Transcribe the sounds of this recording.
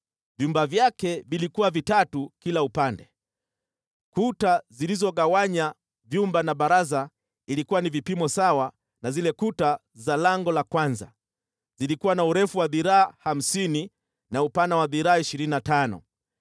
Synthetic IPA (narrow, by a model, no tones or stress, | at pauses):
vjumbavjakɛvilikuwavitatukilaupandɛ | kutazilizɔɠawaɲa | vjumbanaɓaɾaza | ilikuwanivipimɔsawa | nazilɛkuta | zalaŋɡɔlakwanza̰ | zilikuwanauɾɛfuwaðiɾaːham̩sini | naupanawaðiɾaːiʃiɾininatanɔ̰